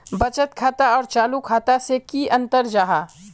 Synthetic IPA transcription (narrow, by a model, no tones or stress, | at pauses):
bɐt͡ʃət̪kʰaːt̪aɔːɾt͡ʃaːlukʰaːt̪asekiʔə̃nt̪əɾd͡ʒaːɦaː